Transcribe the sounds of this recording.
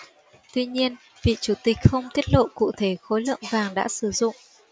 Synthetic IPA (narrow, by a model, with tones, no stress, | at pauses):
t̪wi˧ɲi˧ən | vḭ˧˨t͡ɕu˨˩t̪ï˨˩k̟̚xə˧wŋ͡mt̪i˦˥ət̚lo̰˧˨kṵ˧˨t̪ʰe˧˩xo˨˦jlə̰˧˨əŋvaː˨˩ŋɗa̰ː˧˥sɨ˨˩zʊ̰˧˨ŋ͡m